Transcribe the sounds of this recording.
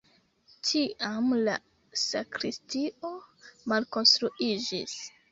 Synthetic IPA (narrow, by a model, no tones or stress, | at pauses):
tʰiʔamla̰ | sakɾistiʔo̞malko̞nstɾuʔid͡ʒis